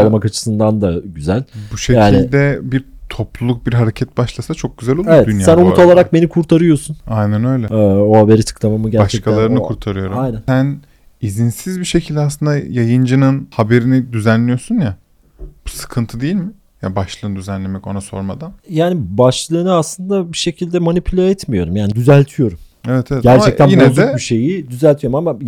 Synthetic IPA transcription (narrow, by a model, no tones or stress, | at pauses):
lˠmakat͡ʃʰɯ̥sɯnd̪and̪aɟyzælʲbuʃejaːnillʲd̪ɛbiɾt̪ʰo̞plˠulˠuk̚biɾɦaɾecʰɛt̪̚baʃlˠasat͡ʃʰok̚ɟ̥yzælʲolˠevɛd̪ynjasænnumuo̞lˠaɾak̚be̞nikʰuɾt̪ʰaɾɯjo̞sunajnænø̞jlʲɛøːohabe̞ɾit̪ʰɯ̥klˠamamɯɟæaʃɛkʰalˠaɾɯnɯkʰuɾt̪ʰaɾɯjo̞ɾuamjnænsæn | izinsizbiʃecʰilʲd̪ʲɛasˠɯnd̪ajajɯnd͡ʒɯnɯnhabe̞ɾinid̪yzænlːʲijo̞sunja | b̥usɯ̥kʰɯnt̪ʰɯd̪ejilʲmɪ | jabaʃlˠɯːnd̪yzænlʲe̞mɛco̞naso̞̰ɾmad̪anjaːnibaʃlˠɯːnɯaslˠɯnd̪abiʃe̞cʰilʲd̪ɛmonipʰylʲeɛt̪mijo̞ɾumjaːnid̪yzælʲt̪ʰijo̞ɾum | evɛt̪ʰeɛtɟæɾt͡ʃɛc̚t̪æninb̪ɛzbiʃe̞jid̪yzælʲt̪ʰijo̞ɾmama